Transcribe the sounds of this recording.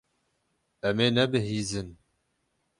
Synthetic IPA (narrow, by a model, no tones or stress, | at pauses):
ɛmeːnɛbɨɦiːzɨn